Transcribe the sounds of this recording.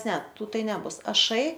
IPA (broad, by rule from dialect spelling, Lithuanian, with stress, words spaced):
ˈnʲɛ ˈtuː ˈtɐɪ nʲɛˈbʊs ɐˈʃɐɪ